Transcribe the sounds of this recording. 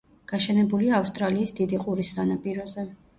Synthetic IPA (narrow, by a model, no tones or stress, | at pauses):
ɡ̥aʃɛnɛbuliaːfst̪ʼɾaliːsd̪id̪iqʼuɾisːanapʼiɾɔzɛ